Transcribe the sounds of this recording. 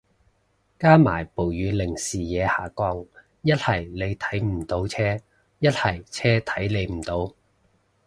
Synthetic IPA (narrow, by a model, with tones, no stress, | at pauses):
kaː˥ma̰ː˨˩jpo˨˩wjyː˨˧lɪ˨˩ŋsiː˨jɛː˨˧haː˨˩kɔː˧ŋ | jɐ˥t̚hɐ˨˩jle˨˧jt̪ʰɐ˨˥jm̩˨˩t̪o˨˥wt͡sʰɛː˥ | jɐ˥t̚hɐ˨˩jt͡sʰɛː˥t̪ʰɐ˨˥jle˨˧jm̩˨˩t̪o˨˧w